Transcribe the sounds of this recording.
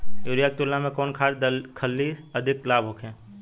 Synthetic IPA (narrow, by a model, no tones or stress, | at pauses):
joːɾijaːk̚t̪ʊlːamẽkɔːnkʰaːɾd̪kʰəlːiɐd̪ʱɪklaːbʱɦoːkʰẽː